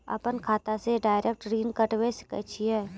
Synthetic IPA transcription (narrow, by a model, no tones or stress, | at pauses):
ɐ̰pənkʰaːt̪aseɖaːɪɾʔek̚ʈɾiːnkəʈweskə̰t͡ʃʰiɛː